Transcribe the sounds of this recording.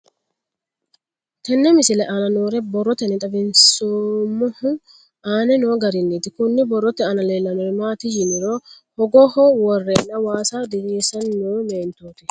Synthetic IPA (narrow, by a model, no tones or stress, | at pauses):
t̪ɛnːɛmɪsɪlɛʔɐnɐnoːɾɛbɔrːɔt̪ɛnːɛt̪ʼɐbɪnsoːmːʊhʊ | aːnɛnoːɡɐɾɪnːɛt̪ɪkʊnːɪbɔrːɔt̪ɛɐnɐleːlːɐnɔɛmaːt̪ɪjɪnɪɾohɔɡɔhɔwɔrːɛnːɐwaːsad̪ɪɾeːsɐnːoːmeːnt̪oːt̪ɪ